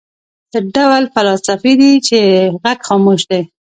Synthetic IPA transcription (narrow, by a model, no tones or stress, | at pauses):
d̪̥əɖawlfalɑsafid̪it͡ʃeɣaɡxɑmoʃd̪aj